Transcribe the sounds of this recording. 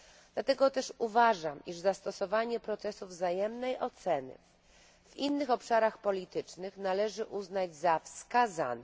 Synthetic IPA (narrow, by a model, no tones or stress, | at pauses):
d̪̥lat̪ɛɡɔt̪ɛʂuvaʐamiʐzast̪ɔsɔvaɲɛpɾɔt̪sɛsuvzajɛmnɛjʔɔt̪sɛnɘ̰ | v̥inːɘxɔpʂaɾaxpɔlʲit̪ɘt͡ʂnɘxnalɛʐɘʔuznad͡ʑzafskaza̰nɛ